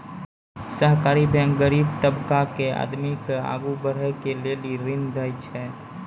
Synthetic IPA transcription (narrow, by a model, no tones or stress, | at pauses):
səɦkaɾibʱɛ̃ŋkɡəɾiːbt̪əbkakea̰d̪mikea̰ɡubəɾ̤ɛkeleliɾɪnd̪əjt͡ʃʰɛ